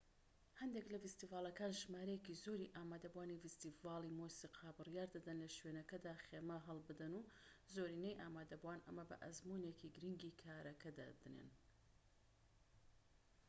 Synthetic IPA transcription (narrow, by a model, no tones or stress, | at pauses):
hɐnd̪eklɐfist̪iːvaːlˠɐkaːnʒmaːɾɐjekizoːɾiʔaːmaːd̪ɐbuwaːnifist̪iːvɑːlˠimosiːqʰɑbɨrjaːɾd̪ɐd̪ɐnlɐʃweːnɐkɐd̪aːχeːmɐɦɐlˠbɨd̪ɐnuːzoːɾiːnejʔaːmaːd̪ɐbuwaːnɐ̰mɐbɐ̰ʔɐzmunekʰiɡɾiŋɡiːkʰaːɾɐkʰɐd̪a̰d̪ɨnḛn